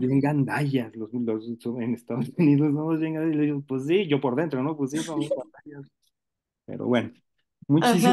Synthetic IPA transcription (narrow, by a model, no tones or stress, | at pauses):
bje̞ŋɡand̪aʝasloslossoenest̪aðosuniðossonmazβjeŋɡand̪ailðiɣopwes̬s̬iʝo̞po̞ɾðe̞nt̪ɾo̞no̞pwes̬s̬isonmaɣand̪ajas | pḛɾo̰βweno | mũt͡ʃisi